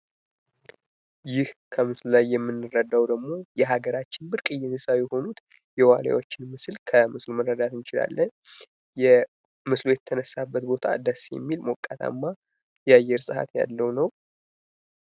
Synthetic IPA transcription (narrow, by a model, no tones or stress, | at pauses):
jɪhkʰəmɨslulajːɛmːɨnːɨrːəd̪awd̪əɡmo̞jɛɦaɡəɾat͡ʃːɪnbɨɾkʼɨjːɪnɨsawjɛho̞nut̪ | jɛwala̰wot͡ʃːɪnmɨslkʰəmɨslumərːəd̪at̪ɨnt͡ʃɪla̰lːən | jɛ | mɨslujɛt̪ʰːənəsːabːət̪bo̞t̪ʰa̰d̪əsjɛ̰mːilmokʼːat̪ʰa̰mːa | jɛajɛɾsʼɨha̰t̪ja̰lːəwnəw